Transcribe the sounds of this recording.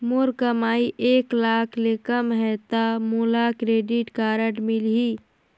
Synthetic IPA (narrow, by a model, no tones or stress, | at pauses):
moɾkəmaːiʔeːklaːkʰlekəmɦɛt̪amulakɾeːɖɪʈkaːɾəʈmɪlɦi